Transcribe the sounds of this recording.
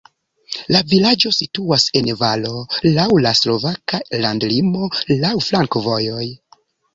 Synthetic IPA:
lavilad͡ʒo̞situase̞nvalo̞lawlaslo̞vakalandlimo̞lawflaŋkovo̞jo̞j

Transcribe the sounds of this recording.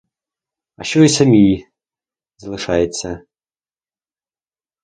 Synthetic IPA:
aɕoisamʲij | zlˠɨʂajɛt̪t͡sːɐ

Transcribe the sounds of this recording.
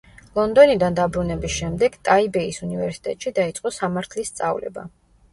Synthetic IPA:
lˠɔnd̪ɔnid̪and̪abɾunɛbisʃɛmd̪ɛɡ̥t̪ʼaibɛisunivɛɾsi̥t̪ʼɛ̰t̪ʼʃid̪ait̪sʼqʼɔsamaɾt̪ʰlist̪sʼa̰vlɛ̰ba̰

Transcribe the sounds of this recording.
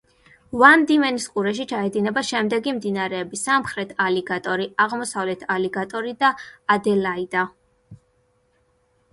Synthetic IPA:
vand̪imɛniskʼuɾɛʃ̬it͡ʃʰaɛd̪inɛbaʃɛmd̪ɛɡimd̪inaɾɛːbisamχɾɛt̪ʰaliɡat̪ʼɔɾiaʁmɔsavlɛt̪ʰalɛɡat̪ʼɔɾid̪aːd̪ɛlaid̪a

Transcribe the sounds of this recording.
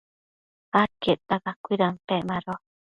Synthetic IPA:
ak̪eʔt̪aɣakʷiɾampeʔmãɾo

